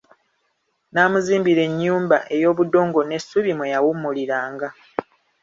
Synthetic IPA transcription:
naːmuziːmbiɾe̞ɲːuːmbaʔe̞jo̞ːβudo̞ːŋɡo̞ne̞sːuβimwejawumːuliɾaːŋɡa

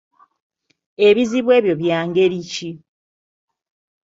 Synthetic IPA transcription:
e̞βiziβwe̞ːβjo̞βjaːŋɡe̞ɾici

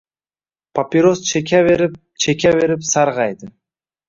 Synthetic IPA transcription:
pʰapʲiɾost͡ʃʰekʲʰaβeɾip̚ | t͡ʃʰekʲaβe̞ɾipsɑɾʁɑjd̪ɨ

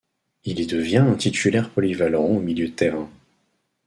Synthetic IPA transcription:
ilid̪əvjɛ̃ɛ̃t̪ʰit̪ʰylɛʁpɔlivalɔʁɑ̃omiljød̪ət̪eʁɛ̃

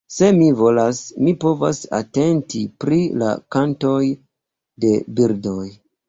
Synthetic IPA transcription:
se̞mivo̞lasmipo̞va̰sa̰te̞ntipɾila̰kanto̞j | de̞biɾdo̞j

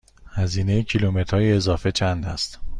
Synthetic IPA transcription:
hæziːnejecʰilumet̪ʰɾɒːjeːzɒːfe̞t͡ʃʰænd̪æ̰st̪

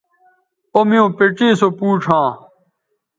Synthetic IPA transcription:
omijõːpeʈ͡ʂiːsopuːʈ͡ʂʰãː

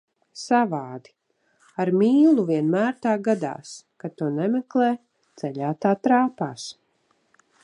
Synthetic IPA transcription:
savaːd̪i̥ | aɾmiːlˠuviɛnmæːɾt̪aːɡad̪a̰ːskat̪uɔnɛmɛklˠɛː | d̪zɛʎaːt̪aːt̪ɾaːpaːs

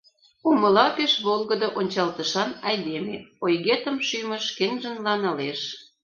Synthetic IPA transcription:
umə̆lɑpeʃβolˠɣə̆d̪oʔonʲt͡ɕɑlt̪əʃɑnɑjd̪emeojɣet̪ə̆mʃymə̆ʃkenʲʒə̆nlɑnɑleʃ

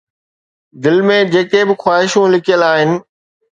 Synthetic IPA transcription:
d̪ɪlmẽd͡ʑeːkebɪxwaːɪʃũlɪkʰijəlaːɦɪnɪ̆

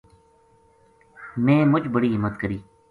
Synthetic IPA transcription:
mɛ̃ːmʊd͡ʒbəɽiːɦɪmːət̪kəɾiː

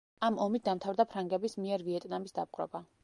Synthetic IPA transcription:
amɔmit̪̚d̪amt̪ʰavɾd̪apʰɾaŋɡɛbismiɛɾviɛt̪ʼnamisd̪ap̚ʼqʼɾɔ̰ba

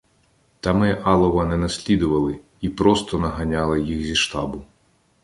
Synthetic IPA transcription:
t̪ɐmɪʔɑlˠɔʋɐnɛnɐsʲlʲid̪ʊʋɐlˠɪ | ipɾɔst̪ɔnɐɦɐnʲalˠɪjixzʲiʃt̪ɑbʊ

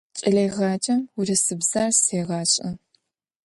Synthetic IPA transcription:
t͡ʃʼɪɮeːʁɑːt͡ʃʼɐmurɐsɨbz̥aːrseːʁɑːɕʼɐ

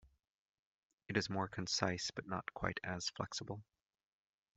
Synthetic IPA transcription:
ɨɾɨzmɔɹkʰɨ̃nsaɪsb̥ʌtⁿnət̚kʰw̥a̰ɪɾɨz̥flɛ̰ksəbl̩ˠ

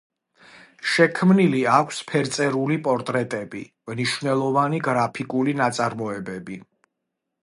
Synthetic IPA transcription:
ʃɛkʰmniliakʷʰspʰɛɾt̪sʼɛɾulipʼɔɾt̪ʼɾɛt̪ʼɛbḭ | mniʃwvnɛlˠɔvaniɡɾapʰikʼulinat̪sʼaɾmɔɛbɛbi

